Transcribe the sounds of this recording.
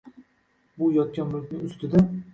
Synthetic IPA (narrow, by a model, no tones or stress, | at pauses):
bʊjɒt̪̚kʲanmʊlˠkʲnɪŋʊst̪ʰɪd̪a